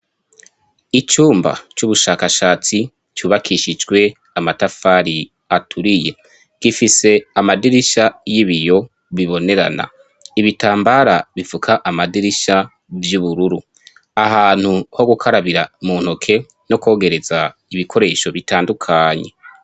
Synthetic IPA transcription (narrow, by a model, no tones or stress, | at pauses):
it͡ʃuːmba̰t͡ʃuβuʃaːkaʃaːt͡si | t͡ʃuːβakʰiʃid͡ʒɡwe̞ | amatafaːɾi | atʰuɾije̞ | ɡ̥ifise̞amadiɾiʃajiβijo̞ | βiβo̞ne̞ɾa̰na̰ | iβitaːmbaɾaβivukʰaʔamadiɾiʃa | vjuβuɾuɾu | aɦaːn̥huho̞ɡukʰaɾaβiɾamun̥o̞kʰe̞ | no̞ko̞ːɡe̞ɾe̞zaiβikʰo̞ɾe̞ʃo̞βitaːndukʰaːɲe̞̰